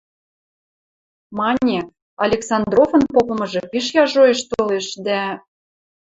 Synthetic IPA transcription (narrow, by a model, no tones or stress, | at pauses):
mɑnʲe | ɑlʲeksɑnd̪rofɤ̆npopɤ̆mɤ̆ʒĕpiʃjɑʒoeʃt̪oleʃd̪æ